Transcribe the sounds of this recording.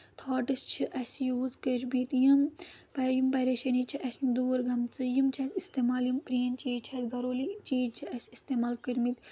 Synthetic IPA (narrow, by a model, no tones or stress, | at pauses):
t̪ʰaːʈɨst͡ʃʰiʔɐsʲjuːzkəɾmit̪jɐmpɐjimpɐɾeʃɐnit͡ʃʰiʔɐsʲnd̪uːɾɡɐmt͡sɨjimt͡ʃʰɐsʲist̪eːmaːljimpɾiːnt͡ʃiːt͡ʃʰɐsɡɐɾoːlit͡ʃiːt͡ʃʰiʔɐsʲist̪eːmaːlkɨɾmit̪